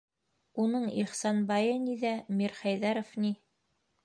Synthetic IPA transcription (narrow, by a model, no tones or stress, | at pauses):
unɤɴiχsɑnbɑjɤniðæmiɾχæjðæɾŏfni